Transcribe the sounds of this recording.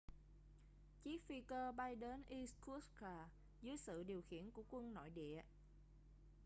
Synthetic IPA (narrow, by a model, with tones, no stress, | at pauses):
t͡ɕi˦˥k̚fi˧kəː˧ɓa˧jɗe˨˦nʔi˧sku˦˥tkaː˨˩ | zɨ˨˦əjsɨ̰˧˨ɗi˨˩əwxḭ˧˩˨ənku˧˩əkwə˧nno̰˧˨jɗḭ˧˨ə